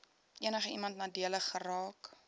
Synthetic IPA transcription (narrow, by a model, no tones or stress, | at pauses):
ʔiənəχəimɐntnɑːdiələχːərɑːk